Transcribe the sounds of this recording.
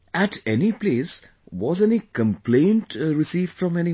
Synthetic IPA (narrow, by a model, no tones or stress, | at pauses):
æʈʰɛnipleːs | wɔzɛ̃nikə̃mplẽːnʈɾɪsiːvfɾɔ̃mɛni